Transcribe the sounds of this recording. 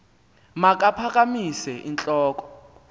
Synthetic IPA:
mak̬ʼapʰak̬ʼamisɛʔint͡ɬʼɔːk̬ʼɔ̥

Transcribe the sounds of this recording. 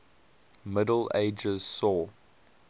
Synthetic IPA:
mɪdəl̩ḛɪd͡ʒəz̥sɔ

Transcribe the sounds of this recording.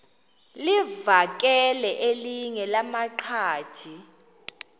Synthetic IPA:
livak̬ʼɛlɛʔeliŋɛlamaǃʰaːd̥ʒ̥ʱi

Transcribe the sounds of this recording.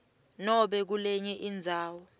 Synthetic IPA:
nɔɓɛk̬ulɛɲɛʔind͡zʱaːwɔ

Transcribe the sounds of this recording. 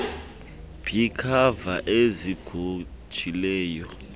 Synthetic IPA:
b̥ʰʱikʰavaʔeziɡ̥ʱu̥ | ʒ̥ʱʼilɛːjɔ

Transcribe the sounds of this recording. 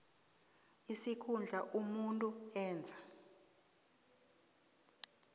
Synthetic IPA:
isikʰund͡ɮʱaʔumuntʼuɛːnd͡zʱa

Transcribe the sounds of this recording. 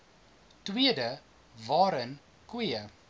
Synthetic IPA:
twiədə | vɑːɾən | kwiə

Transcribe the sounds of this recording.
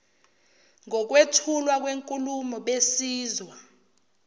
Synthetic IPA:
ŋɔk̬wetʰulwak̬ʼweŋkʼulumɔɓesiːzwa

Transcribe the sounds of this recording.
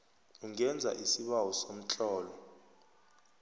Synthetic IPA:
uŋɛnd͡zʱa̰ʔisiɓawɔsom̩t͡ɬʼɔːlɔ

